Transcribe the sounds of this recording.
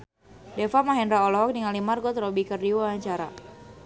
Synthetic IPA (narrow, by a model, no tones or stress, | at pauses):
dɛfamaɦɛnɾaɔlɔɦɔk̚diŋalimarɡɔt̪ɾɔbikərdiwaaɲt͡ʃaɾa̰